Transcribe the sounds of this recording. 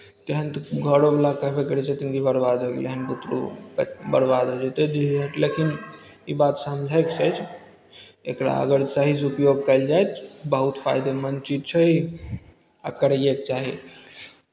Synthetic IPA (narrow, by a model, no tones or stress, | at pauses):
t̪eɦənt̪ɡʱəɽobelakəɦbekəɾit͡ʃʰet̪inɡibəɾbad̪əɡleɦənput̪ɾṵbəɾbad̪od͡ʒet̪ed̪iɦd͡ʒat̪lekin | ibat̪səmd͡ʒʱəkt͡ʃʰət͡ʃʰ | ekɽa̰ə̰ɡəɾsəɦisupjoɡ̚kəɪld͡ʒajt̪ʰbəɦut̪pʰa̰jd̪emənt͡ʃid͡ʒ̪t͡ʃʰəi | akəɾjekt͡ʃaɦi